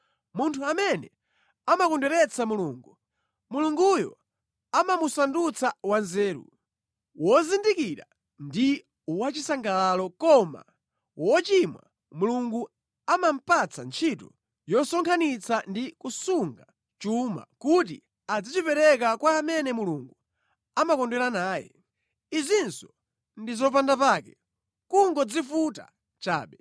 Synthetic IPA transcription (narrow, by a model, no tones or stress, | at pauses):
muntʰuamɛnɛ | amakɔndɛɾɛt͡samuluːŋɡu | muluŋɡujɔ̰ | amamusandut͡sawanzɛːɾṵ | wɔzindikiɾa̰ | ndi | uwat͡ʃisaŋɡalalɔkɔma̰ | wɔt͡ʃimwa̰ | muluŋɡu | amam̩pat͡sʰant͡ʃʰitɔ | jɔsɔŋkʰanit͡sʰandikusuŋɡa | t͡ʃuma̰kuti | ad͡zit͡ʃipɛɾɛk̬akwaːmɛnɛmuluŋɡu | amakɔndwɛlanaːjɛ̰ | izinsɔ̥ | ndizɔp̬andapaːkɛ | kuŋɡɔd͡zifuta̰ | t͡ʃa̰ːɓɛ